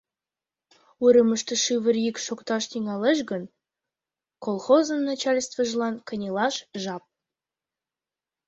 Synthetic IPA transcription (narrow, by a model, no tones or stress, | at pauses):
uɾə̆məʃt̪ə̆ʃɨβɘ̆ɾjikʃokt̪ɑʃt̪iŋɑleʃ̬ɡə̆n | kolˠχozə̆nːɑt͡ɕɑlʲst̪və̆ʒlˠɑnkə̆nʲilɑʃʒɑp̚